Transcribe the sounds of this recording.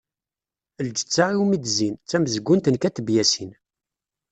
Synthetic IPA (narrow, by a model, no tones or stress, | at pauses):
əld͡ʒə̥t͡sːaʁiwmid̪zint͡sːæməzəɡʷːʊnt̪ənkæt̪əbjæsin